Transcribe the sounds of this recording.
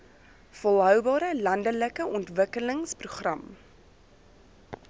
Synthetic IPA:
fɔlˠɦœwbɑːɾəlɐndələkəʔɔntvəkələŋspruχrɐm

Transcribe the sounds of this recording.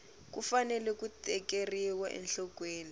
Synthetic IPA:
kufanɛlɛkutʼɛkeriwaʔɛ̰nɬɔkweːni

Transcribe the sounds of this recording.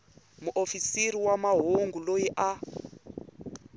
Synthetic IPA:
muʔofisiriwamaɦoŋɡulojiʔa

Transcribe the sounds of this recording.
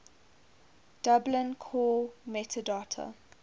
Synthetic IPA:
d̥ablə̃nkʰɔːmɛtʰədatʰə̰

